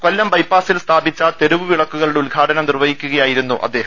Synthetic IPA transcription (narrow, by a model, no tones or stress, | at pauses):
kolːɐmpɐjpːaːsilst̪ʰaːbit͡ɕːɐt̪e̞ɾuʋɨʋiɭɐkːuɣɐɭuɽeulɡʱaːʈɐnɐmnirʋɐɦikʲːuɣɐjaːjiɾunːuʔɐ̰d̪ːe̞ːɦɐ